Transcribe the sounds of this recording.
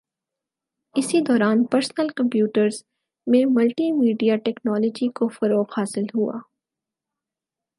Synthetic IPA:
ɪsid̪ɔːɾaːnpɐɾsnəlkɐ̃mpjuːʈəɾz | mẽmɐlʈimiːɖijaʈɛːknɔːlɔːd͡ʒikofɐɾoːqɦaːsɪlɦua̰ː

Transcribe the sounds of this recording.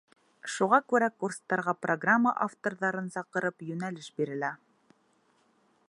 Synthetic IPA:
ʃuʁɑkʉɾækurst̪ɑɾʁɑproɡramːəʔaft̪orðɑɾɤnsɑqɤ̆ɾɤpjɵ̆nælɘʃbiɾɘ̆læ

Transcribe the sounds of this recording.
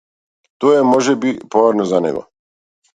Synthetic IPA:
t̪ojemoʒɛbipoʋeɾnozanḛɡo̰

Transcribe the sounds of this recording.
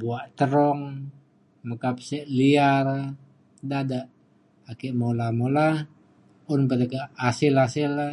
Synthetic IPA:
buaʔt̪əɾɔŋ | məkap̚sɛʔliaɾa | dadaʔː | kɛʔmolamola | ʊnpət̪akaʔasɪlasɪla

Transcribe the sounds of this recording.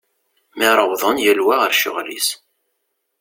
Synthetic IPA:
mɪɾˤəwðˤənjælwaʁəɾʃʊ̰ʁlḭs

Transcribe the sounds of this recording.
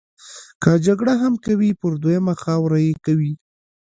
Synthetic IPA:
kad͡ʒaɡɽaɦamkawipəɾd̪wojamaxɑwɾajekawi

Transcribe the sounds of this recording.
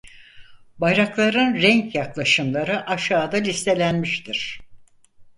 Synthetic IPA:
bajɾaklˠaɾɯnɾɛɲkjaklˠaʃɯmlˠaɾɯʔaʃaːd̪alʲist̪ʰe̞lʲænmiʃt̪ʰiɾ̥

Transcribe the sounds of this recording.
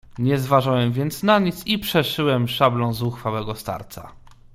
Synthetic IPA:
ɲɛzvaʐawɛmvʲjɛnt̪snaɲit̪sipʂɛʂɘwɛmʂablɔ̃w̃zuxfawɛɡɔst̪a̰ɾt̪sa̰

